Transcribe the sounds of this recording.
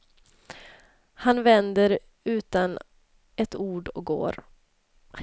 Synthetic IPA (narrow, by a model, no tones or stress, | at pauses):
hanvɛnd̪əɾ | ʉ̟ːt̪an | ɛt̪uːɖɔɡo̰ːɾ